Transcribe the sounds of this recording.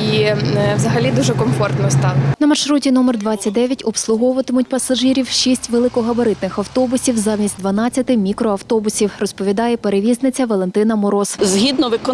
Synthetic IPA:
iʋzɐɦɐlʲid̪uʒɛkɔmfɔrt̪nɔst̪ɑlˠnɐmɐrʃɾutʲinɔmerd̪ʋɑt͡sʲːɐt̚ʲd̪ɛʋʲjɐtʲɔpslˠʊɦɔʊʋɐt̪ɪmʊt̚ʲpɐsɐʒɨɾʲiwʃisʲtʲʋelˠɪkɔɦɐbɐɾɪt̪nɪxɐwt̪ɔbʊsʲiwzɑmʲisʲtʲd̪ʋɐnɑt͡sʲːɐt̪ɪmʲikɾɔɐwt̪ɔbʊsʲiwrɔspɔʋʲid̪ɑjɛpeɾeʋʲiznɪt͡sʲɐʋɔlˠent̪ɪnɐmɔɾɔszɦʲid̪nɔʋɪkɔ

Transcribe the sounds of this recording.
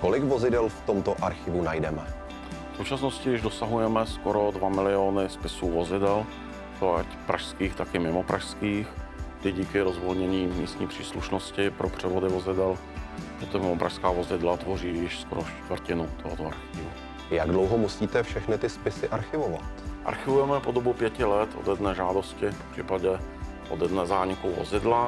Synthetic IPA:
kolɪɡvozɪdɛlft̪omt̪oʔaɾxɪvunajdɛmɛ | fsowt͡ʃasnoscɪjɪʒdosaɦujɛmɛskoɾodvamɪlɪoːnɪspɪsuːvozɪdɛl | t̪oacpɾaʃskiːxt̪akɪmɪmopɾʔaʃskiːxt̪ɪɟiːkɪɾozvolɲɛɲiːmiːst̪ɲiːpr̝̥iːsluʃnoscɪpɾʔopr̝̥ɛvodɪvo̞zɪdɛl | pot̪ɛmɪmopɾʔaʃskaːvo̞zɪdlat̪vo̞riːjɪʃskoɾoʃt̪vrcɪnut̪oɦot̪oa̰ɾxɪːvu | jaɡdlowɦomusiːt̪ɛfʃɛxnɪt̪ɪspɪsɪʔaɾxɪvova̰t̪ʔa̰ɾxɪvujɛmɛpodo̞bupjɛcɪlɛt̪ʔo̰d̪jɛd̪nɛːʒaːdoscɪpo̥pr̝̥iːpaɟɛ | ʔod̪jɛdnɛːzaːɲɪkuvo̰zɪdla

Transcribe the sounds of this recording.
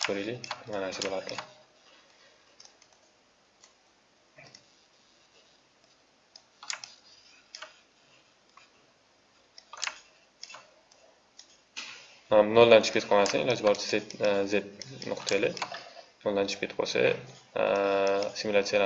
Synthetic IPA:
kʰoɾilimanaɾsabolad̪la | anolːant͡ʃʰɪpkʰʲe̥ɒmasa̰ɪ̰lat͡ʃbɒɾt͡ʃʰazet̪zet̪̚nʊ̰qt̪ʰelɪnolːant͡ʃʰɪ̥pkʰʲet̪ʰɪbo̰lsa̰ | simulʲat̪sijala

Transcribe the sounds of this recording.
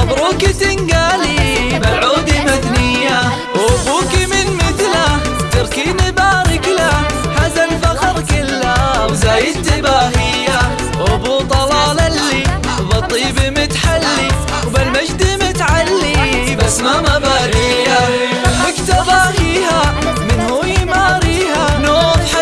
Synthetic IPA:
ʔɑd̪ˤɾuːkit̪ɪnɡaːlibalʕuːd̪imad̪nɪjːa | wʊbuːkimɪnmɪθlat̪ɪɾkiːnɪbaːɾɪkla | haːðalfaɣɑɾˤkɪlːazajːɪt̪ːɪbaːɦɪjːa | wʊbuːt̪ˤɑlɑːlalːi | bɑt̪ˤːiːbimɪt̪ħalːi | wbalmad͡ʒd̪imɪt̪ʕalːibasːmamabaːɾijamakt̪abaːhiːɦa | mɪnhuːjimaːɾiːhanoːðˤħa

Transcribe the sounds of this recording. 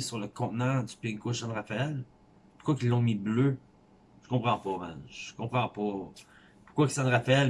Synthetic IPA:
syʁləkɔ̃t̪nɑ̃d͡zypɪ̃ŋkosɑ̃d̪ʁafaɛl | pʊ̥kwakilːɔ̃miblø | ʒ̥ə̥kɔ̃pχɑ̃pɔã̰ʒəkɔ̃pχɑ̃pɔ | pʊ̥ʁkwaki̥sãd̪ʁafaɛl

